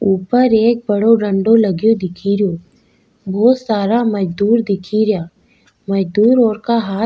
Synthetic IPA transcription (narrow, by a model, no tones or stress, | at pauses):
uːpəɾeːk̚bɐɽoɾɐ̃ɳɖolɐɡjod̪ɪkʰiɾjoː | bʱɔːt̪saːɾamɐd͡ʒd̪uːɾd̪ɪkʰiɾjaː | mɐd͡ʒd̪uːɾɔːɾkaɦaː